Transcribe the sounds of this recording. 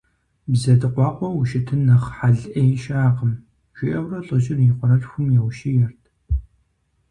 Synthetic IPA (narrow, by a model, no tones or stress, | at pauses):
bzɐdɨqʷɑːqʷɔwuʃɪtʰɨnɐχħaɮʔɐjɛʃaːqəm | t͡ʃʰʷɪʔɐwrɐɬʼəʒɪriqʷɔɾɐɬxʷʊmjɛwʃijɛrtʰ